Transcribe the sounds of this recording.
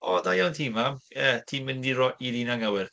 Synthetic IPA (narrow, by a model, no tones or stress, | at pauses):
ɔdajawntʰiːmamɛtʰiːmɪndiɾɔʔidinaŋawɪr